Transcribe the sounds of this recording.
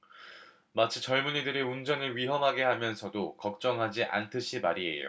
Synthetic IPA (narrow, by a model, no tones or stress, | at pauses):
mat͡ɕʰit͡ɕʌɭmunidɯɾeund͡ʑʌnɯɭɥiɦʌmɦaɡe̞ɦamjʌnsʰʌdokʌk̚t͡ɕ͈ʌŋɦad͡ʑiʔa̰ntʰɯɕʰimaɾiḛjo̰